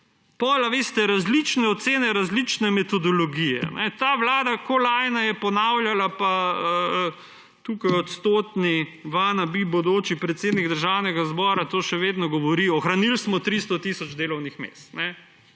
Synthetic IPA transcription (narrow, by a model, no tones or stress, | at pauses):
pɔlaʋest̪ɛɾazlit͡ʃnɛɔt̪seːnɛɾazlit͡ʃnɛmɛt̪ɔd̪ɔlɔɡijɛ̰nʔɛ̰t̪aːʋlaːd̪akolaːjnajɛpɔnawljalapaə | t̪uːkajɔt̪st̪oːt̪niʋanabibod̪oːt͡ʃipɾɛt̪seːd̪niɡd̪əɾʒaːwnɛɡazbɔːɾat̪oːʃɛʋeːd̪nɔɡɔʋɔɾiɔxɾanilsmɔt̪ɾist̪ɔt̪isɔd͡ʒd̪eːlɔwnixmḛːst̪nɛ